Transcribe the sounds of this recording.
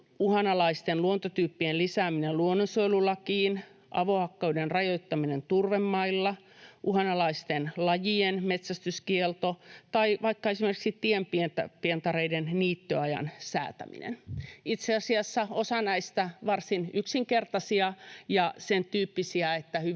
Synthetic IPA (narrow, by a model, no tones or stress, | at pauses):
uhɑnɑlɑist̪enluont̪ot̪yːpːienlisæːminelluonːosoilulːɑkiːn | ʔɑ̰ʋohɑkːɑudenrɑjoit̪ːɑminent̪urʋemːɑilːɑ | ʔuhɑnɑlɑist̪enlɑjienmet̪sæst̪yskielt̪ot̪ɑiʋɑikːɑesimerkiksit̪iempient̪ɑpient̪ɑɾeidenniːt̪ːøɑjɑ̰nsæ̰ːt̪æ̰mḭnḛnit̪seɑsiɑsːɑosɑnæist̪æʋɑrsinyksiŋkert̪ɑsiɑjɑsent̪yːpːisiɑet̪ːæhy